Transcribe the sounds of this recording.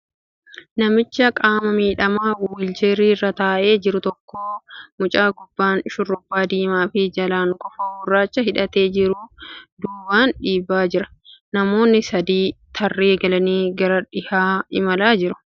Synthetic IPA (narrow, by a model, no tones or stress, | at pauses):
nɐmɪt͡ʃːɐkʼaːmɐmiːᶑɐmaːwɪld͡ʒeɾiːrːɐt̪aːʔe̞ːd͡ʒɪɾʊt̪ɔkːoːmʊt͡ʃʼaːɡʊbːaːnʃʊrːʊbːaːd̪iːmaːfɪd͡ʒɐlaːŋkʼɔfɐwʊrːaːt͡ʃːɐɦɪᶑɐt̪eːd͡ʒɪɾud̪uːbaːnᶑiːbaːd͡ʒɪɾɐ̥nɐmo̞ːnːɪsɐd̪iːt̪ʰɐrːeːɡɐlɐniːɡɐɾɐᶑɪhaːɪmɐlaːd͡ʒɪɾʊ̥